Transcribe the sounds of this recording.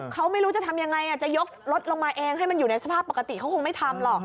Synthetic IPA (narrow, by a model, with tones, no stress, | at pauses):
kʰa˦˥wma˥˩jɾuː˦˥t͡ɕa˨˩t̪ʰa˧mja˧ŋa˧jʔa˨˩t͡ɕa˨˩jo˦˥k̚lo˦˥t̪̚lo˧ŋmaː˧ʔeː˧ŋɦa˥˩jma˧njuː˨˩na˧jsa˧pʰaː˥˩pːkːa˧t̪i˨˩kʰa˦˥wkʰo˧ŋma˥˩jt̪ʰa˧mlɔ˨˩k̚